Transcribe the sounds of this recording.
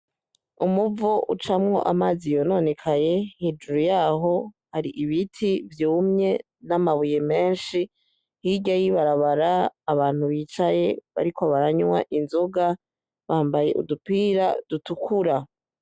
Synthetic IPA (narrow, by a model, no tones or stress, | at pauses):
umuvoʔut͡ʃamŋo̞̰ʔa̰mazijo̞no̞ne̞kʰaje̞hed͡ʒuɾujaːɦo̞ | haɾiʔiβitʰivjuːmɲe̞ | namaβuje̞me̞ːnʃi | hiɟajiβaɾaβaɾaːβaːn̥huβiːt͡ʃaje̞βa̰ɾikʰoβaɾaɲwa̰ʔinzo̞ɡa | βaːmbaje̞̰ʔṵdupiːɾad̥utukʰuɾa